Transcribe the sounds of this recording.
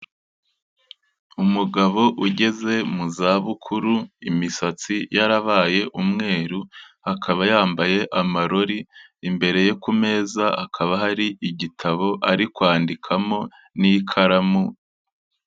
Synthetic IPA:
umuɡaβo̞ʔuɟe̞ze̞muzaːβukʰuɾuimisat͡sijaɾaβaːje̞ʔumŋe̞ːɾuhakʰaβajaːmbaje̞ʔamaɾo̞ɾiːmbe̞ɾe̞je̞kume̞ːzaakʰaβaɦaɾiʔiɟitʰaβo̞ʔaɾikwaːndikʰamo̞ | nikʰaɾamu

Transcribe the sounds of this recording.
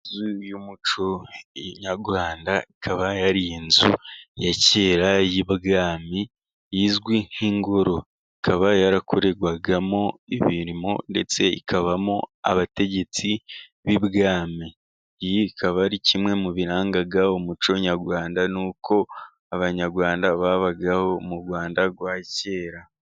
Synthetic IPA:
zujumut͡ʃoɲaɾɡwaːndaikʰaβajaɾiinzujaceːɾajibɡaːmi | jizɡwi̥iŋɡo̞ɾo̞ | ikʰaβajaɾakuɾe̞ɡwaɡamo̞ḭβiɾimo̰nde̞̰t͡se̞ḭkʰaβamoa̰βate̞ɟe̞t͡si | βiβɡaːmi | jikʰaβaɾicimŋe̞muβiɾaːŋɡaɡaomut͡ʃo̞ɲaɾɡwaːndanuːkʰo̞ | aβaɲaɾɡwaːndaβaβaɡaho̞muɾɡwaːndaɡwaːce̞ːɾa

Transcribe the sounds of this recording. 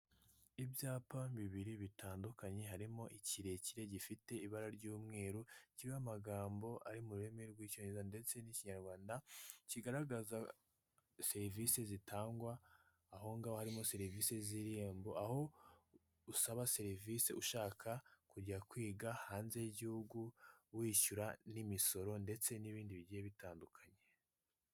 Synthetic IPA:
ivjaːpaβiβiɾiβitaːndukaɲe̞ɦaɾimo̞ʔiciɾe̞ciɾe̞ɟifite̞iβaɾaɾɟuːmŋe̞ːɾuciamaɡaːmbo̞ʔa̰ɾimuɾuɾe̞meɾɡwiːco̞ɲezande̞t͡se̞niciɲaɾɡwaːndaciɡaɾaɡaza | se̞ɾivise̞zitʰaːŋɡwaː | ɦo̞ŋɡahohaɾimo̞se̞ɾiviːse̞ziɾimbo̞ʔaho̞ | usaβase̞ɾivise̞uʃaːkʰakuɟɟakwiːɡahaːnze̞ɟihuɡuwiːʃuɾanimiso̞ɾo̞nde̞t͡se̞niβiːndiβiɟijeβitaːndukʰaɲe

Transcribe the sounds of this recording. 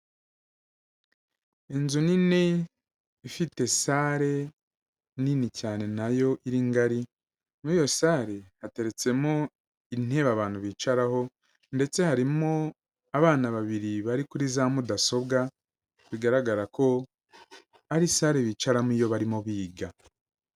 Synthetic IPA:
e̞nzunine | ifite̞saːɾe̞ | ninicaːne̞najo̞ʔiɾiŋɡaɾi | muiːjo̞saːɾe̞hate̞ɾe̞t͡se̞mo | in̥he̞βaβaːn̥huβiːt͡ʃaɾaho̞ | nde̞t͡se̞haɾimo | aβaːnaβaβiɾiβaɾikuɾizamudaso̞bɡa | βiɡaɾaɡaɾako̞ | aɾisaːɾe̞βiːt͡ʃaɾamijo̞βaɾimoβiːɡa

